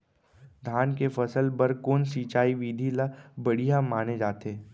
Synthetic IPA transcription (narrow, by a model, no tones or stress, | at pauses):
d̪ʱaːnkefɐsəlbəɾkoːnsiːt͡ʃaːiʋiːd̪ʱilabɐɽ̤ijãmaːned͡ʒaːt̪eː